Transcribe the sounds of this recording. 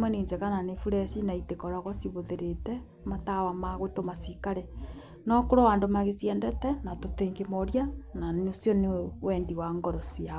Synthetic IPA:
mwɛneːɲd͡ʒekananefuɾɛsinaitekɔɾaɣɔsiβoðeɾetɛ | matawamaɣotomasikaɾɛ | nɔkoɾowaːndomaɣesiɛndɛtɛnatoteːŋɡemoɾjananosjɔnewɛndiwaŋɡɔɾɔsia

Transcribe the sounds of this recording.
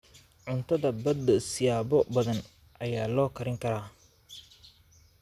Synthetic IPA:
ʕʊnt̪ʰɐðɐbɐd̪ɐsɪjaːbɔbɐðɐn | ʔɐjaːlɔːkʰɐɾɪŋkʰɐɾaː

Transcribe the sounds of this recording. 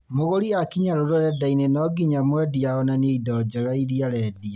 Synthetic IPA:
moɣoɾiakiɲaɾoɾoɾɛdainenɔɡiɲamwɛdiaɣɔnaneidɔd͡ʒɔɾaiɾiaɾɛdia

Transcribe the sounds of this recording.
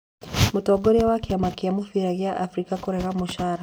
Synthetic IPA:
mutɔɡɔɾiawakiamakiamufiɾaɣiaʔafɾikakuɾɛɾamuʃaɾa

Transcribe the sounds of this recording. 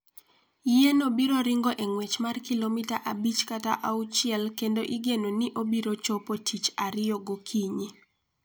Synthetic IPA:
jenobiɾoɾɪŋɡoʔeŋwet͡ʃmarkilomɪtaʔabit͡ʃkata̰ʔaut͡ʃɪɛlkendoʔiɡenonɪʔobiɾot͡ʃopotʰit͡ʃaɾɪoɡokʰiɲi

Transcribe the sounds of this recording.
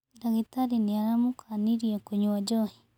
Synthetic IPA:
daɣitaɾiniaɾamukʰaniɾiakoɲwad͡ʒohi

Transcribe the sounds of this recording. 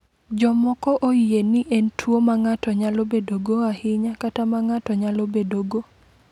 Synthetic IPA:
d͡ʒɔmɔkɔʔojjenɪʔɛntʰwomaŋatɔɲalobedoɡoahɪɲakatamaŋatɔɲalobedoɡo

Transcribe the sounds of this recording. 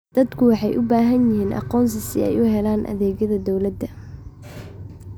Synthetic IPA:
d̪̥ɐd̪kʰʊwɑħɑjʔʊbaːɦɐnjɪɦiːnʔɑ̰qɔːns̬ɪsɪɛ̰jʊɦɛlaːnʔɐ̰ðɛːɣɐðɐd̪ɔwlɐd̪ɐ

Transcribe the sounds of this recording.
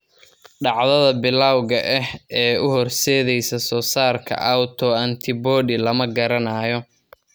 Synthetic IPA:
ɖɑʕðɐðɐbɪlaːwɣɐʔɛhɛːʊɦɔrsɛːðɛjsɐsɔːsaːrkʰɐ̰ʔawt̪ʰɔɐnt̪ʰɪbɔːɖɪlɐmɐɡɐɾɐnaːjɔ

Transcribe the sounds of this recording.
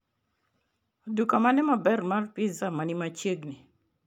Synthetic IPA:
odukamanɛmabɛrmarpizamanimat͡ʃeɡni

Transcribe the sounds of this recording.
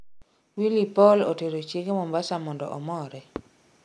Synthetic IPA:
wilipɔloteɾot͡ʃjeɡemɔmbasamɔndɔ̰ʔɔmɔɾɛ

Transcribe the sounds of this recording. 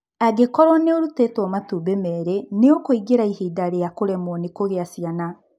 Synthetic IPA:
aɡekɔɾɔneoɾutɛtwɔmatubemɛːɾeneokoiɡeɾaihiːdaɾejakoɾɛmwɔnekoɣeasiana

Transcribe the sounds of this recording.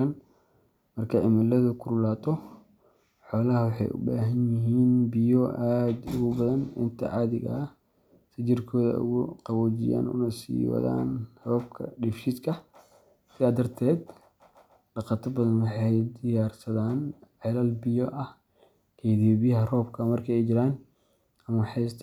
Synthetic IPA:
ɐn | mɐrkʰɐʕɪmɪlɐðɐkʰʊɾʊlaːt̪ʰɔ | ħɔːlɐɦɐwɑħɑ̰jʔʊ̰baːɦɐnjɪɦiːnbɪjɔʔaːd̪ʊɣʊbɐðɐnʊ̰nt̪ʰɐ̰ʕɑːðɪɣɐ̰ɐ | sɐt͡ʃɪrkʰɔːðɐ̰ʊ̰ɣʊqɑwɔːt͡ʃɪ̰ja̰ːnʊ̰nɐsḭːwɐ̰ða̰ːnhɐβɐb̚kʰɐ̰ɖɪfʃɪd̪kʰɐ | sɪðaːd̪ɐrt̪ʰɛːd̪ | ɖɑqɑt̪ʰɐbɐðɐnwɑħɑjd̪ɪjaːrsɐðaːnʕɛlaːlbɪjɔʔɐh | kʰɛjðiβɪjɐɦɐrɔːbkʰɐmɐrkʰɐɛjt͡ʃɪɾaːn | ʔɐmɐħɛjsʰ

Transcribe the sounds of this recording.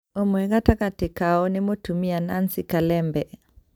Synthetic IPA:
ɔmwɛɣatakatikaɔnimɔtumianansikalɛmbɛ

